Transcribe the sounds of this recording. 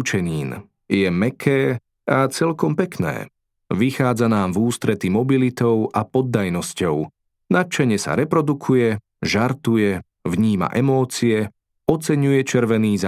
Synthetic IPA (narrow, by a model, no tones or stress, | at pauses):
t͡ʃɛɲiːn | jɛmɛkʰɛː | at͡sɛlkɔmpɛknɛ̰ː | ʋixaːd͡zanaːmvuːst̪ɾɛt̪imɔbilit̪ɔʊʔapɔd̪ːajnɔscɔʊ | nat͡ʃaɲɪɛsa̰ɾɛpɾɔd̪ukʰujɛ | ʒaɾt̪ujɛ | ʋɲiːma̰ʔɛmɔːt͡siɛ | ɔt͡sɛɲujɛt͡ʃɛɾʋɛniːza